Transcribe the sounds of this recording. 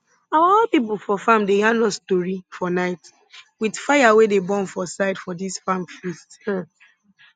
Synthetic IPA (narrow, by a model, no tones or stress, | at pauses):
awaɔlpip̬l̩fɔfãmdeãnɔstoɹifɔnaɪt | widfajawedebɔ̃nfɔsaɪdfɔdisfãmfist